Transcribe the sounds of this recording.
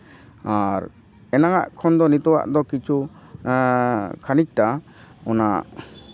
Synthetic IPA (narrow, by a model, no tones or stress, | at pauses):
aɾ | ɛnaŋa̰ʔkʰɔnd̪ɔnit̪ɔwa̰ʔd̪ɔkit͡ʃʰu | kʰanik̚ʈa | ɔnaʔ